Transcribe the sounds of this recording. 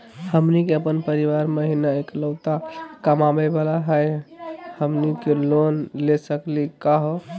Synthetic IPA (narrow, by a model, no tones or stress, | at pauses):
həmnikeəpənpəɾiʋaɾməɦinaeklət̪akəmabɛbalaɦəjhəmnikelonlesəklikaɦo